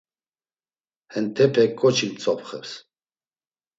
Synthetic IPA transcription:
hɛnt̪ʰɛpʰɛkʼːɔt͡ʃʰimt͡sʼɔpχɛ̰ps

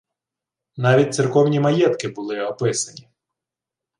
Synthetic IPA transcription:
nɑʋʲit̚ʲt̪sʲɪrkɔwnʲimɐjɛt̪kɪbʊlˠɪɔpɪsɐnʲi

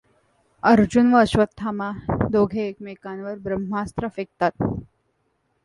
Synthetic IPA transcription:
əɾd͡ʑunʋəːɕʋət̪ʰːamad̪oɡʱeːkmekanʋəɾbɾəm̤ast̪ɾəfek̚t̪at̪̚

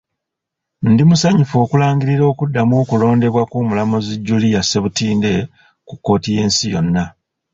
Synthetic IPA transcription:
ndimusaɲufo̞ːkulaːŋɡiɾiɾo̞ːkudːamoːkulo̞ːnde̞βwakumulamoziɟːulijase̞βutiːnde̞ | kukːo̞ːtije̞ːnsijo̞nːa

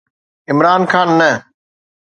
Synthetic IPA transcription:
ɪmɾaːnkʰaːnːə

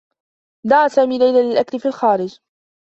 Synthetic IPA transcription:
d̪aʕaːsaːmiːlajlalɪlʔaklɪfiːlxaːɾɪd͡ʒ

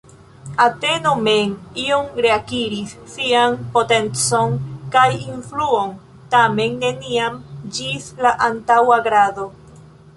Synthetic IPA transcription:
ate̞no̞me̞niomɾe̞akiɾisːianpo̞te̞nt͡so̞nkajinfluo̞n | tame̞nːe̞niamd͡ʒislaʔantawaɡɾado̞

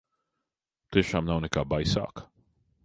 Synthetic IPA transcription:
t̪ɪʃamnawnɪkabajsa̰k

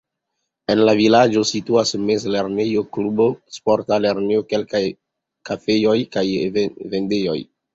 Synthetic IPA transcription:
e̞nlavilad͡ʒo̞situasmezle̞ɾnejoklubo̞spo̞ɾtale̞ɾnejoke̞lkaj | kafe̞jo̞jkajvende̞jo̞̰j

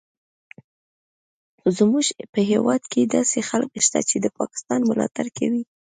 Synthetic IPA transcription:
zmuʒpəɦewɑd̪ked̪ɑsexalkʃt̪a̰t͡ʃed̪əpɑkɪ̥st̪ɑnmʊlɑ̰t̪aɾkawi

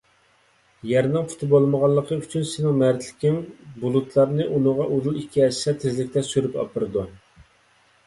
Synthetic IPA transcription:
jɛɾnɨŋpʰu̥t̪bolˠməʁɑlˠːəqʰəyt͡ʃʰynsɪnɪŋmæɾt̪ʰlɪ̥kʲimbulˠut̪ʰlˠɑɾnɨʔunɨʁɑʔuzulˠikʲʰːiɛʃsɛt̪ʰɪzlɪk̚ʲt̪ɛsyɾypɑ̰pɨɾɨd̪u

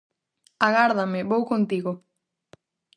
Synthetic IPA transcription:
aɣaɾðamɪβowkont̪iɣo

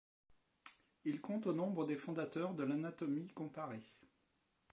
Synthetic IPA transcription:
ilkɔ̃t̪onɔ̃bʁəd̪efɔ̃d̪at̪œʁd̪əlanat̪ɔmikɔ̃paʁe

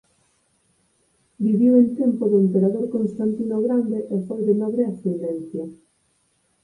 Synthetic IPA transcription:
biβiwent̪empoðoempeɾaðoɾkonst̪ant̪inoɣɾand̪eʔefojðenaβɾeasend̪en̟θja

